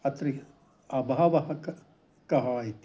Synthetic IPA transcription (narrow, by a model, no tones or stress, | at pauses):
ɐt̪ɾi | ɐbɐɦɐʋɐɦɐk | kɐɦɐɦit̪